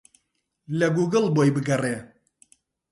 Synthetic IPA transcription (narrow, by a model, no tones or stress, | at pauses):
lɐɡuɡɨlboːjbɨɡɐreː